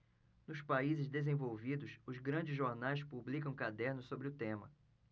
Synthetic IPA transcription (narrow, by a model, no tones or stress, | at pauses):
nʊspaizɪzd̪ezẽvowvid̪ʊsʊzɡɾɐ̃d͡ʒɪzʒoɾnajspublikɐ̃w̃kad̪ɛɾnʊsobɾɪʊt̪ẽmɐ̰